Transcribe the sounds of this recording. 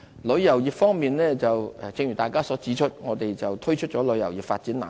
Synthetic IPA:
lɵ˨˧ɥjɐ˨˩wjiː˨p̚fɔː˥ŋmiː˨nlɛː˥t͡sɐ˨wɛ˨t͡sɪ˧ŋjy˨˩t̪aː˨˩jkaː˥sɔː˨˥t͡siː˨˥t͡ʃʰɵ˥t̚ŋɔː˨˧t̪e˨jt͡sɐ˨wt̪ʰɵ˥ɥt͡ʃʰɵ˥t̚t͡ʃɔː˨˥lɵ˨˧jɐ˨˩wjiː˨p̚faː˧t̚t͡si˨˥nla̰ː˨

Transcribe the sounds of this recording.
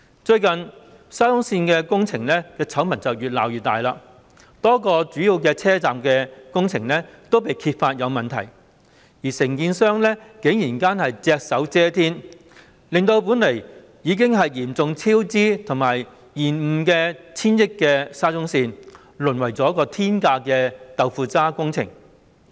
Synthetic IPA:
t͡ʃɵ˧ɥkɐ˨˩n | saː˥t͡sʊ˥ŋsiː˧nkɛː˧kʊ˥ŋt͡sʰɪ˨˩ŋlɛː˥kɛː˧t͡sʰɐ˨˥wmɐ˨˩nt͡sɐ˨wjyː˨t̚la̰ː˨˩wjyː˨t̪̚aː˨jlaː˧ | t̪ɔː˥kɔː˧t͡syː˨˥jiː˧wkɛː˧t͡sʰɛː˥t͡saː˨mkɛː˧kʊ˥ŋt͡sʰɪ˨˩ŋlɛː˥t̪o˥wp̬e˨jkʰiː˧t̚faː˧t̚jɐ˨˧wmɐ˨nt̪ʰɐ̰˨˩j | jiː˨˩sɪ˨˩ŋkiː˧nsœː˥ŋlɛː˥kɪ˨˥ŋjiː˨˩nkaː˥nhɐ˨jt͡sɛː˧k̚sɐ˨˥wt͡sɛː˥t̪ʰiː˥n | lɪ˨ŋt̪o˧wp̬u˨˥nlɐ˨˩j | jiː˨˧k̬ɪ˥ŋɦɐ˨jjiː˨˩mt͡sʊ˨ŋt͡sʰiː˥wt͡siː˥t̪ʰʊ˨˩ŋmaː˨˩j | jiː˨˩nm̩˨˧kɛː˧t͡sʰiː˥njɪ˥kːɛː˧saː˥t͡sʊ˥ŋsiː˧n | lɵ˨˩nwɐ˨˩jt͡sɔː˨˥kɔː˧t̪ʰiː˥nkaː˧kɛː˧t̪ɐ˨wfuː˨˧t͡saː˥kʊ˥ŋt͡sʰɪ̰˨˩ŋ

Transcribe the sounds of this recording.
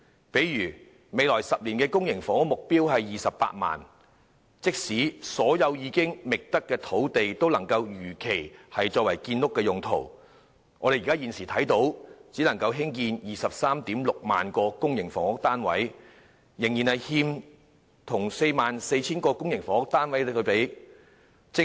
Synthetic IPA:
pe˨˥jɥyː˨˩ | me˨˧jlɔː˨˩jsɐ˨p̚liː˨˩nkɛː˧kʊ˥ŋjɪ˨˩ŋfɔː˨˥ŋʊ˥k̚mʊ˨k̚piː˥wɦɐ˨jjiː˨sɐ˨pːa̰ː˧t̚ma̰ː˨n | t͡sɪ˥k̚siː˨˥sɔː˨˥jɐ˨˧wjiː˨˧kɪ˥ŋmɪ˨k̚t̪ɐ˥kːɛː˧t̪ʰo˨˥wt̪e˨jt̪o˥wlɐ˨˩ŋkɐ˧wjyː˨˩kʰe˨˩jhɐ˨jt͡ʃɔː˧k̚wɐ˨˩jkiː˧nlʊ˥kːɛː˧jʊ˨ŋt̪ʰo̰˨˩w | ŋɔː˨˧ɾe˨jːkaː˥jiː˨˧nsiː˨˩t̪ʰɐ˨˥jt̪o˨˥wt͡siː˨˥nlɐ˨˩ŋkɐ˧wɦɪ˥ŋkiː˧njiː˨˩sɐ˨p̚saː˥mt̪iː˨˥mlʊ˨k̚ma̰ː˨nkɔː˧kʊ˥ŋjɪ˨˩ŋfɔː˨˩ŋʊ˥k̚t̪aː˥nwɐ̰˨˥j | jɪ˨˩ŋjiː˨˩nhɐ˨jhiː˧m | t̪ʰʊ˨˩ŋse˧jmaː˨nse˧jt͡sʰiː˥nkɔː˧kʊ˥ŋjɪ˨˩ŋfɔː˨˩ŋʊ˥k̚t̪aː˥nwɐ˨˦jt̪ʰɵ˧ɥpe˨˥j | t͡sɪ˥

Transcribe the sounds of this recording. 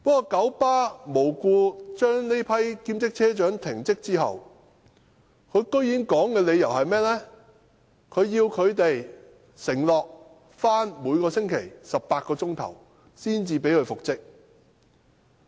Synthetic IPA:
pɔː˥kɔː˧kɐ˨˥wpaː˥mo˨˩wkuː˧t͡ʃœː˥ŋne˥jpʰɐ˥jkiː˥mt͡sɪ˥k̚t͡sʰɛː˥t͡ʃœː˨˥ŋt̪ʰɪ˨˩ŋt͡sɪ˥k̚t͡siː˥ɦɐ̰˨w | kʰɵ˨˧ɥkɵ˥ɥjiː˨˥nkɔː˨˥ŋkɛː˧le˨˧jɐ˨˩whɐ˨jmɛː˥lɛː˥ | kʰɵ˨˧ɥjiː˧wkʰɵ˨˧ɥt̪e˨j | sɪ˨˩ŋlɔː˨k̚ | faː˥nmuː˨˧jkɔː˧sɪ˥ŋkʰe˨˩jsɐ˨p̚paː˧t̚kɔː˧t͡sʊ˥ŋt̪ʰɐ̰˨˩w | siː˥nt͡siː˧p̬e˨˥jkʰɵ˨˧ɥfʊ˨k̚t͡sɪ˥k̚

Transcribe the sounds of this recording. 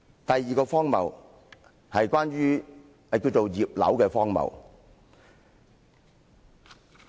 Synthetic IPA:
t̪ɐ˨jːiː˨kɔː˧fɔː˥ŋmɐ̰˨w | hɐ˨jkwaː˥nɥyː˥ | hɐ˨jkiː˧wt͡ʃo˨wjiː˨p̚lɐ̰˨˥wkɛː˧fɔː˥ŋmɐ̰˨˩w

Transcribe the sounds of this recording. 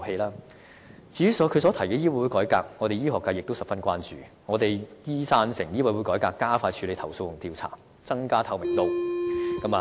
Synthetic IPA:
he˧jlaː˥ | t͡siː˨˥y˥sɔː˨˥kʰɵ˨˧sɔː˨˥t̪ʰɐ˨˩jkɛː˧jiː˥wɐ˨˧jwu˨˧˥kɔː˨˥jkaː˧k̚ŋɔ˨˧t̪e˨jiː˥ɦɔː˨kːaː˧jɪ˨k̚t̪o˥wsɐ˨˩pfɐ˥nkʷaː˥nt͡ʃyː˨ | ŋɔː˨˧t̪e˨jjiː˥saː˧˥nsɪ˨˩ŋjiː˥wɐ˧˥jwu˨˥kɔː˨˥jkaː˧kːaː˥faː˧jt͡ʃʰyː˨˧le˨˧jt̪ʰɐ˨˩wso˧wjʊ˨˩ŋt̪iː˧wt͡sʰa̰ː˨˩ | t͡sɐ˥ŋkaː˥t̪ʰɐ˧wmɪ˨˩ŋt̪o˧wkɐ˨˥maː˨

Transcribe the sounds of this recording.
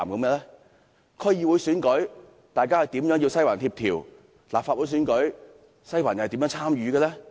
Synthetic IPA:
mko˨˦˥mɛː˧˥lɛː˥ | kʰɔ˥jiː˧wu˨˥jsyː˨˥nkɵ˨˥j | t̪aː˨jkaː˥hjt̪iː˨˥mjœ˨˥ŋji˧wsɐ˥jwaː˨˩nt̪ʰiː˧p̚t̪ʰḭː˨˩w | laː˨˩pfaː˧t̚wu˨˧˥sːnkɵ˨˥j | sɐ˥jwa̰ː˨˩n˨˩˨t̪iː˨˥jœː˨˧˥ŋt͡sʰaː˥mjyː˨˧ɡɛː˧lɛː˦˥

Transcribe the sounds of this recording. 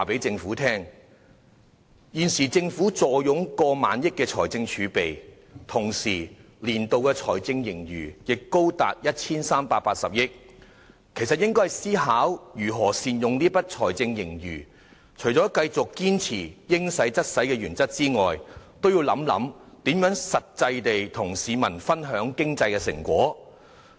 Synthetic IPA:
waː˨˩pe˨˥jt͡sɪ˧ŋfuː˨˥t̪ʰɛː˥ŋ | jiː˨nsiː˨˩t͡sɪ˧ŋfuː˨˥t͡sɔː˨jʊ˨˥ŋkɔː˧ma̰ː˨˥njɪ˥kːɛː˧t͡sʰɔː˨˩jt͡sɪ˧ŋt͡ʃʰyː˨˧pe˨j | t̪ʰʊ˨˩ŋsiː˨˩ | liː˨˩nt̪o˨wkɛː˧t͡sʰɔ̰ː˨˩jt͡sɪ˧ŋjɪ˨˩ŋjy̰ː˨˩jɪ˨kːo˥wt̪aː˨t̚jɐ˥t̚t͡sʰiː˥nsaː˥mpaː˧t̚paː˧t̚sɐ˨p̚jɪ˥k̚ | kʰe˨˩sɐ˨t̚jɪ˥ŋkɔ˥hɐ˨jsiː˥ɦaː˨˥wjyː˨˩ɦɔː˨˩siː˨njʊ˨˩ŋniː˥pɐ˥t̚t͡ʃʰɔː˨˩jt͡sɪ˧ŋjɪ˨˩ŋjyː˨˩ | t͡ʃʰɵ˨˩ɥt͡sɔː˨˥kɐ˧jt͡sʊ˨kːiː˥nt͡sʰiː˨˩jɪ˥ŋsɐ˨˥jt͡sɐ˥t̚sɐ˨˥jkɛː˧jyː˨˩nt͡sɐ˥k̚t͡siː˥ŋɔː˨jt̪o˥wji˧wlɐ˨˥mlɐ̰˨˥mt̪iː˨˥mjœː˨˥ŋsɐ˨t̚t͡sɐ˧jt̪e˨jt̪ʰʊ˨˩ŋsiː˨˥mɐ˨˩nfɐ˥nɦœː˨˥ŋkɪ˥ŋt͡sɐ˧jkɛː˧sɪ̰˨˩ŋkʷwɔː˨˥

